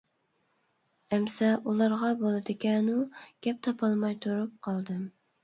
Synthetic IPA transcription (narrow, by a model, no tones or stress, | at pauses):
ɛmsɛʔulˠɑɾʁɑbolˠɨd̪ɪkʲʰɛnuɡ̥ʲɛp̚t̪ʰɑpʰɑlˠmɑjt̪ʰuɾup̚qʰɑlˠd̪ɨm